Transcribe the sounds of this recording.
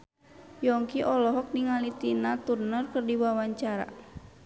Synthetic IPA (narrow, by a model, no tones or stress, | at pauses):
jɔŋkiʔɔlɔɦɔk̚niŋalit̪inat̪urnərkɨrdiwawaɲt͡ʃaɾa̰